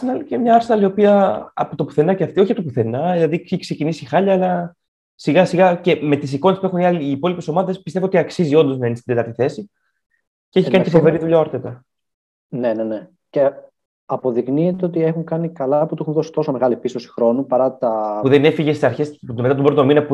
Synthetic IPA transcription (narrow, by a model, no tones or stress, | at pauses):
sinɐlicemɲɐɐɾsnɐlio̞piɐɐ̰pot̪o̞pu̥θe̞nɐceɐft̪io̞çiɐpt̪opuθe̞nɐelɐðikkse̞cinisixɐʎɐːlɐ | siɣɐsiɣɐce̞me̞t̪isiko̞nespue̞xuniɐliːpo̞lipe̞so̞mɐðe̞spist̪evoot̪iɐksizio̞nd̪o̞znɐenist̪id̪t̪ɐɾt̪iθe̞si | ceeçikɐnicefo̞ve̞ɾiðuʎaoɾt̪et̪ɐ | nenene | ce | ɐpo̞ðikniet̪eot̪iexuŋkɐnikɐlɐput̪uexunðo̞si̥t̪o̞so̞me̞ɣɐlipist̪o̞si̥xɾo̞nupɐɾɐt̪ɐpuðene̞fiʝest̪isɐɾçe̞sme̞t̪ɐt̪obɾo̞t̪o̞minɐpu